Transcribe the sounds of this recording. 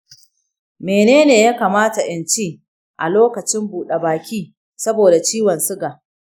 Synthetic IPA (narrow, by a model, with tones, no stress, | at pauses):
meː˨neː˦neː˨jaː˦kaː˨maː˦ta˨ʔɪ˨nt͡ʃiː˦ | ʔa˨loː˦kɐ˨t͡ʃɪ˦mbuː˨ɗe˨baː˨kʲiː˦ | sɐ˦boː˨da˨t͡ʃiː˦wɐ˨nsʊ˦ɡa˨ʔ